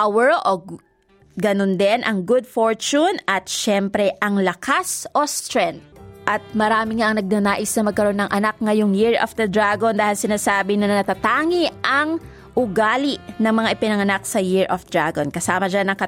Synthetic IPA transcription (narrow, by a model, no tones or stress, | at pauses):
ʔawɛɹʔo | ɡɐnond̪ɛnʔɐŋɡʊd̪̚foɹt͡ʃunɐt̪̚ʃɛmpɾɛʔɐŋlɐkʰasʔo̞st̪ɾɛnt̪̚ʔɐt̪̚mɐɾaːmɪŋaʔɐŋnɐɡ̚nɐnaːʔɪsnɐmɐɡ̚kɐɾo̞nːɐŋʔɐnak̚ŋɐjoŋjɪɹɐfd̪ɐd̪ɹaɡond̪aːhɪlsɪnaːsaːbɪnɐnɐnɐt̪ɐt̪aːŋiɐŋ | ʔʊɡaːlɪʔnɐŋmɐŋaʔɪpɪnɐŋɐnak̚sɐjɪɹʔofd̪ɹaɡonkɐsaːmɐd͡ʒanɐŋkɐ